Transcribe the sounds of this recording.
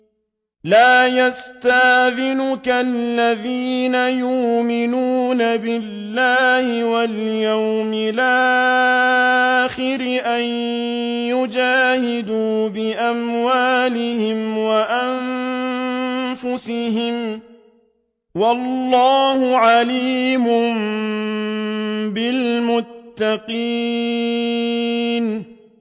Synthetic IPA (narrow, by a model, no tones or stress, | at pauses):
laːjast̪ahðɪnʊkalːaðiːnajʊːmɪnuːnabɪlːaːhɪwaljawmɪlaː | xɪɾʔanjʊd͡ʒaːhɪd̪uːbɪʔamwaːlɪhɪmwaʔan | fʊsɪɦɪm | walːɑːhʊʕaliːmʊm | bɪlmʊt̪ːaqi | n